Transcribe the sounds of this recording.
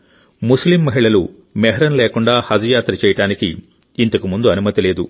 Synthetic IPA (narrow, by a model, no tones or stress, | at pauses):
muslimːɐɦiɭɐlu | mɛɦɐɾɐnleːkuɳɖaːhɐd͡ʒujaːt̪ɾɐt͡ʃɛːjɐʈaːnikiː | nt̪ɐkumund̪uɐnumɐt̪ileːd̪u